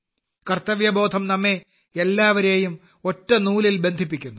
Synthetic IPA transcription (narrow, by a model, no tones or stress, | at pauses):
kɐrt̪ːɐʋjɐbo̞ːd̪ʱɐmnɐmːe | elːaːʋɐɾe̞ːjum | o̞tːɐnuːlilbe̞nd̪ʱipːikʲːunːu